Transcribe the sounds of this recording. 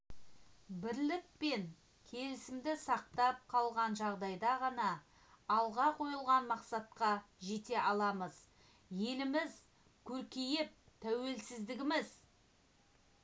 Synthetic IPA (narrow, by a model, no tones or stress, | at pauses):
bɪɾlɪk̚pe̞ŋ | kʲʰe̞lɪsɪmd̪ɪsɑq̚t̪ɑp̚qʰɑlˠʁɑnʒɑʁd̪ɑjd̪ɑʁɑnɑː | lˠʁɑqʰo̞jəlˠʁɑnmɑqsɑt̪qɑʒe̞t̪e̞ʔɑlˠɑməz | je̞lɪmɪz | kʲʰɵɾkʲejɪp̚t̪ʰæwe̞lsɪzd̪ɪɡʲɪmɪz